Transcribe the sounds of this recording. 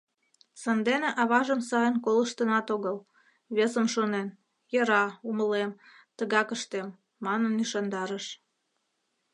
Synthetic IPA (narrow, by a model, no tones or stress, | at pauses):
sɑnd̪eneʔɑβɑʒəmsɑjənkoləʃt̪ənɑt̪oɣəl | βesəmʃonen | jəɾɑuməlem | t̪əɣɑkəʃt̪emː | ɑnənːyʃɑnd̪ɑɾəʃ